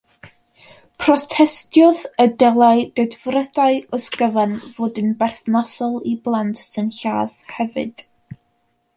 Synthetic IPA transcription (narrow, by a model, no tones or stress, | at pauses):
pʰrɔtʰɛstjɔðədɛlˠaɨdɛdvrədaɨɔsɡəvɛnvoːdənbɛrθnɔsɔlˠiblˠantʰsɨnɬaːðhɛvɨ̰d̥